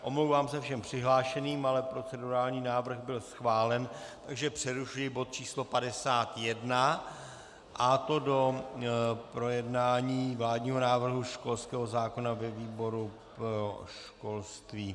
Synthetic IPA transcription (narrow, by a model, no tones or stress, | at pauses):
ʔo̞mlowvaːmsɛfʃɛmpr̝̥ɪɦlaːʃɛniːmalɛpɾo̞t͡sɛduɾaːlɲiːnaːvr̩ɣbɪlsxvaːlɛnt̪aɡʒɛpr̥ɛɾuʃujɪbot̪̚t͡ʃiːslo̞padɛsaːt̪jɛdna | ʔat̪o̞do̞ | pɾo̞jɛdnaːɲiːvlaːdɲiːɦo̞naːvr̩ɦuʃko̞lskɛːɦo̞zaːko̞navɛviːbo̞ɾu | pɾɾoʃko̞lst̪viː